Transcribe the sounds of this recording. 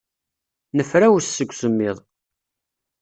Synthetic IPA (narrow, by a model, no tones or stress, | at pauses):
nəfɾæwssːəɡʷsəmːɪðˤ